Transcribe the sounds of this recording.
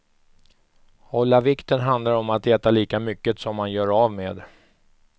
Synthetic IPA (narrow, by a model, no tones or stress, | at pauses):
hɔlːavɪkt̪ənɦand̪laɾɔmat̪ɛːt̪aliːkamʏkːət̪sɔmːanjœːɾavmeːd̪